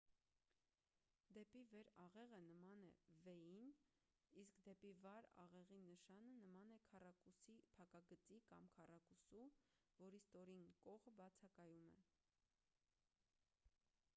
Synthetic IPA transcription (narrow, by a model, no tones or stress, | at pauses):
d̪ɛpivɛɾɑʁɛʁənəmɑnɛ̰vɛjin | iskd̪ɛpivɑɾɑ̰ʁɛʁinəʃɑnənəmɑnɛkʰɑrɑkusipʰɑkɑɡət͡sikɑmkʰɑrɑkusu | vɔɾist̪ɔɾinkɔʁəbɑt͡sʰɑkɑjumɛ̰